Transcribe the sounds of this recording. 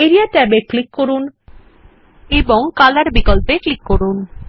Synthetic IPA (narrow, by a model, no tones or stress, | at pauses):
eɾiaʈɛbeklikːoɾun | eboŋkalaɾbikɔlpeklikːoɾun